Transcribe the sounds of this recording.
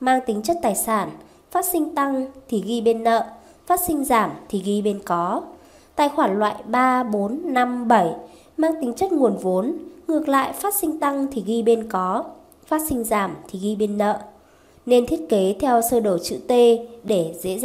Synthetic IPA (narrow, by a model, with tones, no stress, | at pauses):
maː˧ŋt̪ï˨˦ŋt͡ɕə˦˥t̚t̪aː˨˩jsaː˧˩n | faː˦˥t̚sï˧ŋ̟t̪a˧ŋt̪ʰi˨˩ɣi˧ɓe˧nːə̰ː˧˨ | faː˦˥t̚sï˧ŋ̟zaː˧˩mt̪ʰi˨˩ɣi˧ɓe˧nkɔ˨˦ | t̪a̰ː˧˨jxwaː˧˩ŋlwa̰ː˧˨jɓaː˧ɓo˨˦nːa˧mɓə˧˩j | maː˧ŋt̪ï˨˦ŋ̟t͡ɕə˦˥t̚ŋu˨˩ənvo˨˦nŋɨ˨˩ək̚la̰ː˧˨jfaː˦˥t̚sï˧ŋ̟t̪a˧ŋt̪ʰi˨˩ɣi˧ɓe˧nkɔ˨˦ | faː˦˥t̚sï˧ŋ̟zaː˧˩mt̪ʰi˨˩ɣi˧ɓe˧nːə̰ː˧˨ | ne˧nt̪ʰi˦˥ət̚ke˨˦t̪ʰɛ˧wsəː˧ɗo˧˩t͡ɕɨ̰˧˨t̪e˧ɗe˧˩zḛ˧˥˧